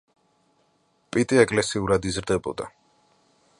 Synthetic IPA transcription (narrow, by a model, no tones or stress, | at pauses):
pʼit̪ʼiɛkʼlɛsiuɾad̪izɾd̪ɛbɔ̰d̪a̰